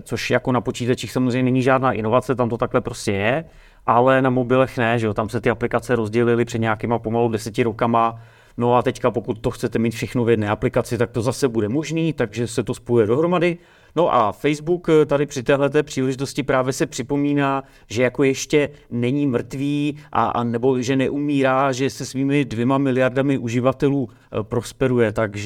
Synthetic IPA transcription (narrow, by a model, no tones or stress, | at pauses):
t͡so̞ʃjako̞napo̞t͡ʃiːt̪at͡ʃiːxsamozrɛjɲɛnɛɲiːʒaːdnaːʔɪno̞vat͡sɛt̪amt̪o̞t̪aklɛpɾo̞scɛjɛ | ʔalɛnamo̞bɪlɛxnɛʒɛot̪amsɛt̪ɪaplɪkat͡sɛɾo̞zɟɛlɪlɪpr̥ɛdɲeakiːmapo̞maludɛsɛcɪɾo̞kama | no̞at̪ɛckapo̞kut̪̚ːo̞xt͡sɛt̪ɛmiːt̪fʃɛxno̞vjɛdnɛːaplɪkat͡sɪt̪ak̚t̪o̞zasɛbudɛmo̞ʒniːt̪aɡʒɛsɛt̪o̞spojujɛdo̞ɦɾo̞madɪ | no̞ʔafɛjzbukt̪adɪpr̝̥ɪt̪ɛːɦlɛt̪ɛːpr̝̥iːlɛʒɪt̪o̞scɪpɾaːvjɛsɛpr̝̥ɪpo̞miːnaː | ʒɛjako̞jɛʃcɛnɛɲiːmr̩t̪viːʔa̰a̰nɛbo̞ʒɛnɛʔumiːɾaːʒɛsɛsviːmɪdvjɛmamɪlɪjardamɪʔuʒɪvat̪ɛluː | pɾo̞spɛɾujɛt̪aɡʒ